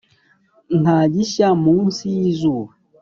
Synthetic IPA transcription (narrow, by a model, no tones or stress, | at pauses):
nad͡ʒiʃamusizu